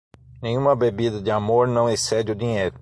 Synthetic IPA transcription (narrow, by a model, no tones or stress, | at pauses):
nẽj̃ũmɐbebid̪ɐd̪ɪamoɾnɐ̃w̃esɛd͡ʒɪʊd̪ĩɲejɾʊ